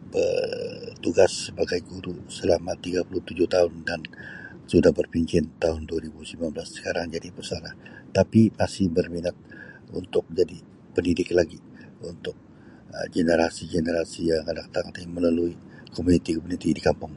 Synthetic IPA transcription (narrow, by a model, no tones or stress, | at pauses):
bə̰rt̪uɡasːəbaɡajɡuɾusəlamat̪iɡapuluht̪ud͡ʒʊht̪aɦʊndan | sudahbərpiɲt͡ʃɪnt̪aɦʊnduaɾibusimanbəlasːə̥kaɾaŋd͡ʒadipərsalaht̪apimasɪhbərminat̪̚unt̪ʊk̚d͡ʒadi | pəndidɪklaɡi | unt̪ʊk̚ | ɡenəɾasiɡenəɾasijaŋadakt̪aŋat̪ajməlaluikomunit̪ikomunit̪idikampʊŋ